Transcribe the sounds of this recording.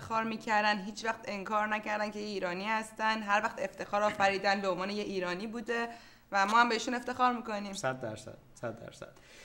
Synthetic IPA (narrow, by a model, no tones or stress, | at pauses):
xɒːɾmiːcʰæɾd̪ænd̪ɦiːt͡ʃvæxt̪e̞ŋkʰɒːɾnæcæɾd̪ænkʰe̞jeiːɾɒːniːhæst̪ænd̪ɦæɾvæxt̪e̞ft̪ʰe̞xɒːɾɒːfæɾiːd̪ænbe̞onvɒːnejeiːɾɒːniːbuːd̪e̞ | væmɒːhæmbe̞iʃune̞ft̪e̞xɒːɾmiːko̞niːmsæd̪ːæɾsæ̰d̪̥sæd̪ːæ̰ɾsæ̰d̪̥